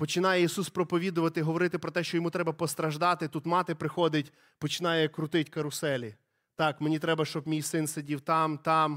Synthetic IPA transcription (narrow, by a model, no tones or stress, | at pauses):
pɔt͡ʃɪnɑjɛisuspɾɔpɔʋʲid̪ʊʋɐt̪ɪɦɔʋɔɾɪt̪ɪpɾɔt̪ɛʃt͡ʃɔjɔmut̪ɾɛbɐpɔst̪ɾɐʒd̪ɑt̪ɪt̪ut̪mɑt̪ɪpɾɪxɔd̪ɪtʲ | pɔt͡ʃɪnɑjɛkɾʊt̪ɪtʲkɐɾʊsɛlʲi | t̪ɑkmenʲit̪ɾɛbɐʃt͡ʃɔbmʲijsɪnsedʲiwt̪ɑmt̪ɑm